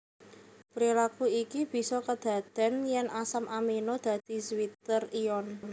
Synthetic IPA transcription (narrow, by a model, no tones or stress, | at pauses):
pɾilakuikib̥i̤sɔkəd̪̥a̤d̪̥ɛ̤njɛŋʔasamʔaminod̪̥a̤d̪̥i̤swit̪ərijɔn